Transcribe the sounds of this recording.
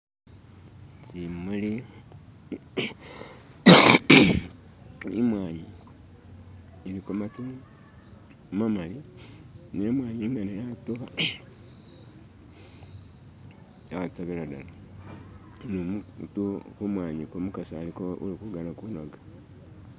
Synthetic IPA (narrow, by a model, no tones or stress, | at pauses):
t͡ʃimuli | imwaːɲi | likomatu | mamali | nimwaːɲiimaninatoβa | ataβeladala | nomtukumwaːɲikomukasalikoṵlikuɡanakunoɡḁ